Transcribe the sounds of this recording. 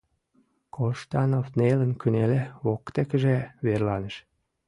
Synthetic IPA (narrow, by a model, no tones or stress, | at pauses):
kʰoʃt̪ɑnofnelə̆nkyneleβokt̪ekəʒeβerlɑnəʃ